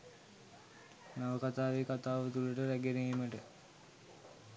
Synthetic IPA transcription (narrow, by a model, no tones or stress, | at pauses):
naʋəkat̪aːʋekat̪aːʋət̪uləʈəɾæɡeɾejiməʈə